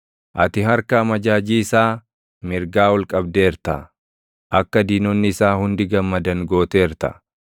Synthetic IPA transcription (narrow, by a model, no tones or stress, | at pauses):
ʔɐt̪ɪɦhɐɾkɐːmɐd͡ʒaːd͡ʒiːɪsaː | mɪɾɡaːwɔlkʼɐb̚d̪e̞ːɾt̪ɐ̰ | ʔɐkːɐd̪iːnɔnːɪːsaːhʊnd̪ɪɡɐmːɐd̪ɐŋɡo̞ːt̪e̞ːɾt̪ɐ̰